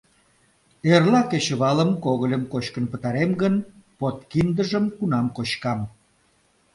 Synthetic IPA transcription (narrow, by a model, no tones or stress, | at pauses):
erlɑket͡ɕəβɑləmkoɣəlʲəmkot͡ɕkənpət̪ɑɾemɡənpot̪kind̪əʒəmkunɑmkot͡ɕkɑm